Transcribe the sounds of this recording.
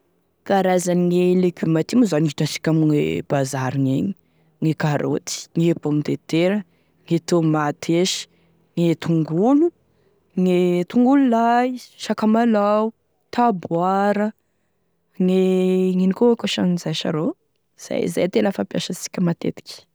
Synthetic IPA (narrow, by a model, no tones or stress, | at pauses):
kaɾazaniŋelekʲymat̪imuzaniʈ͡ʂasi̥kʲamiŋeb̥azaɾiŋeɲi | ŋekaɾʔo̰t̪i̥ŋepomt̪et̪eɾə | ŋet̪omat̪ʰeʃə̥ | ŋet̪uŋɡulu | ŋet̪uŋɡululajʃakamalaw | t̪abwaɾə | ŋeŋinikoakaʃanizajʃa̰ɾo | z̥a̰j̰za̰jt̪elafampja̰ʃəsi̥kʲəmat̪ḛt̪i̥kʲi̥